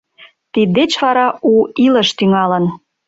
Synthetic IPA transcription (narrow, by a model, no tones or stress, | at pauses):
t̪id̪ːet͡ɕβɑɾɑʔuiləʃt̪yŋɑlən